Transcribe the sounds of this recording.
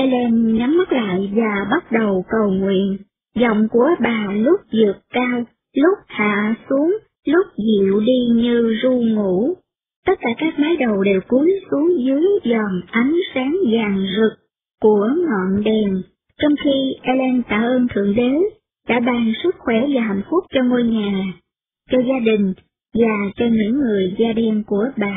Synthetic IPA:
ʔɛ˧lɛ˧nɲa˨˦mːa˦˥t̚la̰ː˧˨jvaː˨˩ɓa˦˥t̚ɗə˨˩wkə˨˩wŋwḭ˧˨ən | zɔ̰˧˨wŋ͡mku˧˩əɓaː˨˩lʊ˦˥k͡p̚zɨ˨˩əkkaː˧w | lʊ˦˥k͡p̚ha̰ː˧˨su˨˦əŋ | lʊ˦˥k͡p̚zḭ˧˨wɗi˧ɲɨ˧zu˧ŋṵ˧˥ | t̪ə˦˥t̚kaː˧˩kaː˦˥k̚maː˨˦jɗə˨˩wɗe˨˩wku˨˦əjsu˨˦əŋzɨ˨˦əjzɔ˨˩ŋʔa˨˦jŋ̟saː˨˦ŋzaː˨˩ŋzɨ˨˩k̚ | ku˧˩ənɔ̰˧˨nɗɛ˨˩n | t͡ɕɔ˧wŋ͡mxi˧ʔɛ˧lɛ˧nt̪a̰ː˧˩ʔəː˧nt̪ʰɨ̰˧˨əŋɗe˨˦ | ɗa̰ː˧˥ɓaː˧ŋsɨ˦˥k̚xwɛ˧˩vaː˨˩ɦa˨˧˩jŋ̟fʊ˦˥k͡p̚t͡ɕɔ˧ŋo˧jɲaː˨˩ | t͡ɕɔ˧zaː˧ɗï˨˩ŋ̟ | vaː˨˩t͡ɕɔ˧ɲɨ̰˧˥ŋːɨ˨˩əjzaː˧ɗɛ˧nku˧˩əɓa̰ː˧˨

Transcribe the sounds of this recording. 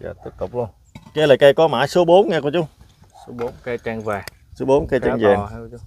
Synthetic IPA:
ja̰ː˧˨˩t̪i˦˥əp̚t̪ʊ˨˩k͡p̚lu˧ən | ke˧laː˨˩jka˧jkɔ˨˦ma̰ː˧˩jso˨˦ɓo˨˦nŋɛː˧kt͡ɕu˨˦ŋ͡m | so˨˦ɓo˨˦nka˧t͡ɕa˧ŋvaː˨˩ | su˨˦ɓo˨˦nka˧t͡ɕa˧ŋzaː˨˩ŋ

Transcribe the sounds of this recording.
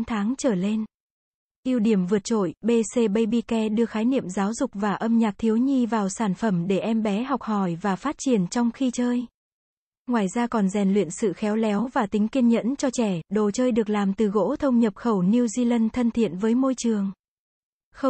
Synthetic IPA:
nt̪ʰaː˨˦ŋt͡ɕəː˧˩le˧n | ʔi˧əwɗi˧˩əmvɨ˨˩ət̚t͡ɕo̰˧˨jɓe˧se˧ɓə˧jɓi˧kɛ˧ɗɨ˧əxaː˨˦jnḭ˧˨əmzaː˨˦wzʊ˨˩k͡p̚vaː˨˩ʔə˧mɲaː˨˩t̚t̪ʰi˨˦əwɲi˧vaː˨˩wsaː˧˩nfə˧˩mɗe˧˩ʔɛ˧mɓɛ˨˦ɦɔ˨˩wk͡p̚hɔ˧˩jvaː˨˩faː˦˥t̚t͡ɕi˨˩ənt͡ɕɔ˧wŋ͡mxi˧t͡ɕəː˧j | ŋwaː˨˩jzaː˧kɔ˨˩nzɛ˨˩nlwḭ˧˨ənsɨ̰˧˨xɛ˨˦wlɛ˨˦wvaː˨˩t̪ï˨˦ŋ̟ki˧ənɲə̰˧˥nt͡ɕɔ˧t͡ɕɛ˧˩ɗo˨˩t͡ɕəː˧jɗɨ˨˩ək̚laː˨˩mt̪ɨ˨˩ɣo̰˧˥t̪ʰə˧wŋ͡mɲə˨˩p̚xə˧˩wni˧wzi˧lə˧nt̪ʰə˧nt̪ʰḭ˧˨ənvəː˨˦jmo˧jt͡ɕɨ˨˩əŋ | xə˧

